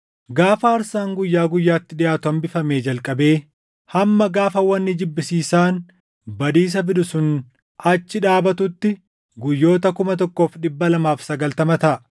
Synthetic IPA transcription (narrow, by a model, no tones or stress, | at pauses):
ɡaːfɐːɾsaːŋɡʊjːaːɡʊjːaːt̪ːɪᶑɪjaːt̪ʊɐmbɪfɐmeːd͡ʒɐlkʼɐbe̞ː | hɐmːɐɡaːfɐwɐnːɪd͡ʒɪbːɪsiːsaːn | bɐd̪iːs̬ɐbɪd̪ʊsʊn | ɐt͡ʃːɪᶑaːbɐt̪ʊt̪ːɪ | ɡʊjːo̞ːt̪ɐkʊmɐt̪ɔkːo̞ːfᶑɪbːɐlɐmaːfsɐɡɐlt̪ɐmɐt̪ɐʔ